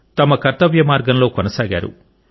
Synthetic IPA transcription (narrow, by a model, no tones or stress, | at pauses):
t̪ɐmɐkɐɾt̪ɐʋjɐmaːɾɡɐnlo̞ːkɔnɐsaːɡa̰ːɾṵ